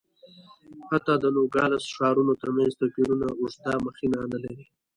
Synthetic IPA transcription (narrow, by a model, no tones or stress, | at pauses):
hat̪ɑd̪ənoɡɑlasʃɑːɾunot̪əɾmãnzt̪əpiɾunaʊʐt̪ɑməxinanəlawi